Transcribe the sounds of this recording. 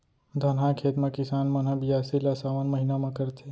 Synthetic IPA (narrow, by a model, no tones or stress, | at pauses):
d̪ʱənãkʰeːt̪mãkɪsaːnmanɦãbijasilasaʋanməɦinamãkəɾt̪ʰe